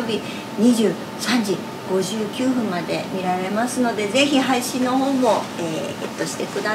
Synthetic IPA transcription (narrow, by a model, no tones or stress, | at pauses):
obʲi | ɲ̟iʑɨː | sãɲ̟d͡ʑi | ɡ̥o̞ʑɨːkʲɨːɸɯ̟̃mmːad̪e̞̰mʲiɾaɾe̞masɨno̞d̪e̞ze̞çiɦaiɕĩnːo̞ɦo̞ːmo̞eːḛt̪ːo̞ɕi̥t̪e̞kɯ̟d̪a